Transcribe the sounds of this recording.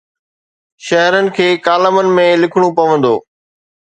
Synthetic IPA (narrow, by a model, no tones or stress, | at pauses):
ʃɐɦɾənɪ̆kʰeːkaːləmənɪ̆mẽlɪkʰɽ̃ũpɐʋə̃nd̪o̰ː